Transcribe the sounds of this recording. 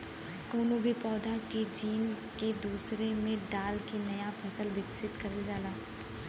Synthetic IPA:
koːnobʱipɔːd̪ʱaked͡ʒiːn | ked̪uːsɾemẽɖaːlkenɐjafʰɐsəlʋɪksɪt̪kɐɾəld͡ʒaːlaː

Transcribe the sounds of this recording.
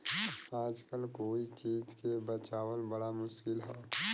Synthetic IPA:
aːd͡ʒkəlkoːit͡ʃiːd͡ʒkebət͡ʃaːwəlbəɽamʊʃkɪlɦoː

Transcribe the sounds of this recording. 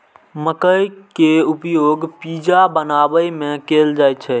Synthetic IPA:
məkəjkeupjoɡpid͡ʒabənabəjmẽkeld͡ʒajt͡ʃʰɛ

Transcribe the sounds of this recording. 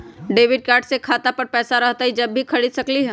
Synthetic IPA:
ɖeːʋɪɖ̚kaːɾɖsekʰaːt̪apɐɾpɛːsaɾɐɦt̪aɦid͡ʒɐbːʱikʰɐɽid̪sɐkliɦɛ̃ː

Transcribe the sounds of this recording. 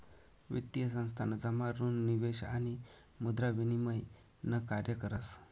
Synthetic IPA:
ʋḭt̪ijəsə̃ñst̪ʰanəd͡zamaɾuːnːiʋeɕa̰ñi | mud̪ɾaʋiniməj | nəkaɾjəkəɾəs

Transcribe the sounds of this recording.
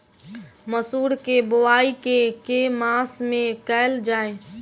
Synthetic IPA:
məsuːɾkebowaːikekemaːsmẽkəɪld͡ʒaːe

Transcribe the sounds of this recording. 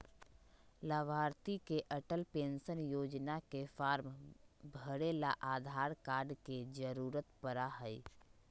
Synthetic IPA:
laːʋaːɾt̪ikeʔəʈəlpẽːnsənjoːd͡ʒnakefaːɾmbʱəɽeːlaʔaːd̪ʱaːɾkaːɾɖked͡ʒəɾuːɾət̪pəɾaɦəi

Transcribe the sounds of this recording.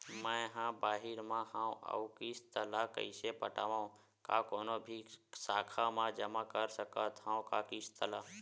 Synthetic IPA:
mə̃ɦãːbaːɦɪɾmãhãũə̰ukiːst̪əlakə̰ɪsepəʈa̰ːʋãũ | kakoːnobʱisaːkʰamãd͡ʒəmakəɾsəkət̪ɦãːũkakist̪əlaː

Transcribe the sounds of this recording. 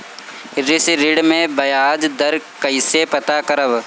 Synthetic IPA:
ɾɪsɾɪɽmẽbɐjaːd͡ʒd̪ɐɾkɐɪsepɐt̪akɐɾəʋ

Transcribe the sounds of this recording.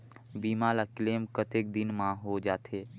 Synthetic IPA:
biːmaːlakleːmkət̪eːk̚d̪ɪnmãɦod͡ʒaːt̪ʰeː

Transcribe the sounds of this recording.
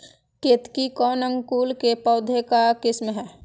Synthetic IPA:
ket̪kikɔːnə̃ŋɡkuːlkepɔʊd̪ʱekakɪsmɦɛː

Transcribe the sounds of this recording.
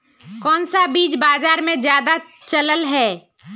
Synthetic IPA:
kɔːnsabiːd͡ʒbaːzaːɾmẽzjaːd̪a | t͡ʃələlɦɛː

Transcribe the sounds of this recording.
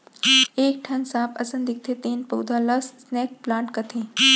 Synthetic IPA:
eːk̚ʈʰɐnsaːpɐ̰sənd̪ik̚t̪ʰet̪eːnpɐwd̪ʱalɐssneːk̚plãːɳʈkɐt̪ʰẽ

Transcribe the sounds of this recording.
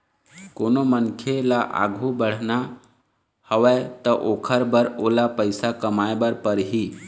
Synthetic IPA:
koːnomənkʰelaʔa̰ɡʱubəɽ̤na | həʋɛt̪əʔoːkʰəɾbəɾoːlapəɪsakəmajbəɾpəɾɦi

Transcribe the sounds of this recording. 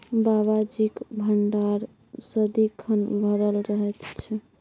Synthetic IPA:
baβad͡ʒikbʱəɳɖaɾ | səd̪ikʰənbʱəɾəlɾəɦɛt̪t͡ʃʰɛ

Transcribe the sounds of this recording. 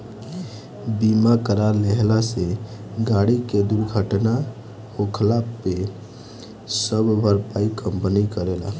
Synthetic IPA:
bimakəɾaɾleɦlaseɡaɽiked̪uɾɡʱəʈna | hokʰəlapːe | səbbʱəɾpaikəmpənikəɾela̰

